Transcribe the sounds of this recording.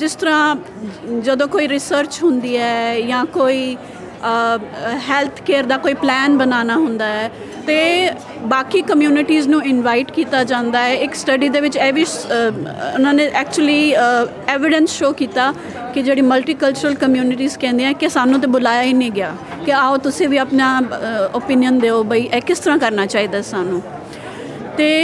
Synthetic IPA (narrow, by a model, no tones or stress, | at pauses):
d͡ʒɪst̪əɾãː | d͡ʒəd̪õːkoːiːɾɪsəɾt͡ʃɦʊnd̪iːɛːjãːkoːiː | ɦɛːlt̪ʰkeːɾd̪aːkoːiːplɛːnbənaːnaːɦʊnd̪aːɛː | t̪eː | baːkiːkəmjuːnɪʈiːznũːɪnʋaːɪʈkiːt̪aːd͡ʒãːnd̪aːɛːɪksʈəɖiːd̪eːʋɪt͡ʃɛːʋi | ʊnãːnẽːʔɛːk̚t͡ʃuəliː | ɛːʋɪɖənsʃoːkiːt̪aː | kɪd͡ʒeːɽiːməlʈiːkəlt͡ʃʊɾəlkəmjuːnɪʈiːzkɛ̃ːnd̪eãːkɪsaːnũːt̪̬ẽːbʊlaːjaːiːnẽːɡɪaː | kɪaːoːt̪ʊsẽːʋiːaːpnaːopinɪjənd̪eːoːbəiːʔɛːkɪst̪əɾãːkəɾnaːt͡ʃaːiːd̪aːsaːnũː | t̪eː